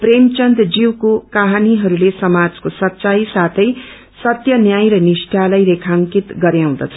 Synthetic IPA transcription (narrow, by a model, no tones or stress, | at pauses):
premt͡sʌnd̪d͡ziwkokaɦaniɦʌɾulesʌmad͡zkosʌtːt͡sajsat̪ʰʌj | sʌt̪jʌnjajɾʌnisʈʰalʌjɾekʰaŋkit̪ɡʌɾjaw̃d̪ʌt͡sʰʌ